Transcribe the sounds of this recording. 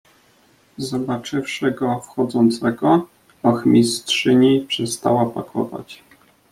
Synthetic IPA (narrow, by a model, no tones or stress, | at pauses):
zɔbat͡ʂɘfʂɘɡɔfxɔd̪zɔnt̪sɛɡɔ | ɔxmʲistʂɘɲipʂɛst̪a̰wapa̰kʰɔ̰va̰t͡ɕ